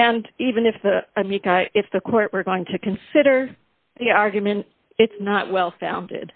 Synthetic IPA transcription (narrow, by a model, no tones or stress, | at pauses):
ɨ̃nivɨ̃nɨfðəəmikaʔɪfðɨkʰɔɹʔwə˞ɡoʊɪ̃ŋtʰɨkʰɨ̃nsɪɾə˞ | ðiɑɹɡjɨmɨ̃nt | ɨtsnəʔ̚wɛlˠfã̰ʊ̃ndɪ̰d̥